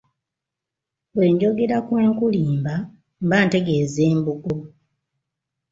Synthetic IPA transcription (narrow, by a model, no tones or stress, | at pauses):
βwe̞ːɲɟo̞ɡe̞ɾakwe̞ːŋkuliːmba | mbaːnte̞ɡe̞zeːmbuɡo